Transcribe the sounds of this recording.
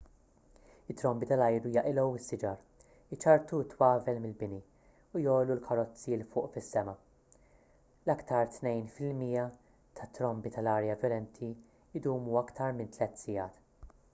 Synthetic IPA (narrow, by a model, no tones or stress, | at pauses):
ɪt̪ːɾɔmbit̪ɐlɐjɾujɐʔɪlɔwɪsːɪd͡ʒɐɾ | ɪt͡ʃɐɾt̪ut̪ːwɐːvɛlmɪlbɪni | ujɔːlulkʰɐɾɔt͡sːilfʊːʔfɪsːɛmɐ | lɐkt̪ʰɐɾt̪nɛjnfɪlmiːjɐ | t̪ʰɐt̪ːɾɔmbit̪ɐlɐːɾjɐvjɔlɛnt̪ʰi | ɪd̪uːmuɐkt̪ʰɐɾmɪnt̪lɛt̪ːsɪjɐːt̪